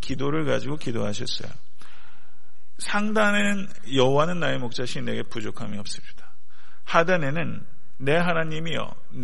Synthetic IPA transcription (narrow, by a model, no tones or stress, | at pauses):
kidoɾɯɭka̰d͡ʑiɡokidoɦaɕʰʌs͈ʌ̰jo̰ | sʰaŋdane̞nɯn | jʌɦowanɯnːaemok̚t͡ɕ͈aɕʰine̞ɡe̞pud͡ʑokʰamiʌp̚s͈ɯpɕi̥d̥ḁ | hadane̞nɯnː | e̞ɦanaɲimiʌ̰ | n